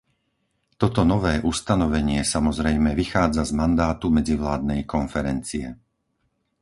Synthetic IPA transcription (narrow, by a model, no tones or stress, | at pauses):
t̪ɔt̪ɔnɔʋɛːʔust̪anɔʋɛɲɪɛsamɔzɾɛjmɛʋixaːd͡zazmand̪aːt̪umɛd͡ziʋlaːd̪nɛjkɔnfɛɾɛnt͡siɛ